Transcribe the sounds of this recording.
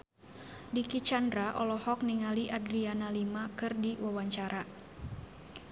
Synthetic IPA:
dikit͡ʃandɾaʔɔ̰lɔhɔk̚niŋaliʔadɾianalimakɨrdiwawaɲt͡ʃaɾa

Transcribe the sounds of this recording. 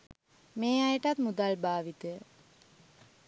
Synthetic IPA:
meːajəʈat̪mud̪albaːʋit̪əjə

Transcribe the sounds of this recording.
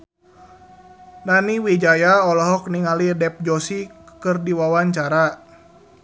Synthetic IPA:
naniwid͡ʒajaɔlɔɦɔkniŋalidɛp̚d͡ʒɔsikɨrdiwawaɲt͡ʃaɾa

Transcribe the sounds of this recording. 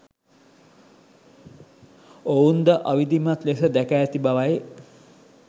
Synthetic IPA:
ound̪əʔaʋid̪imat̪lesəd̪ækaːt̪ibaʋaje

